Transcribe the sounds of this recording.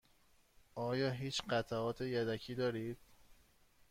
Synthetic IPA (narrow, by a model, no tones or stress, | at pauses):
ʔɒːjɒːɦiːt͡ʃɢæt̪ʰæɒːt̪ʰejæd̪ækʰiːd̪ɒːɾiːd̪̥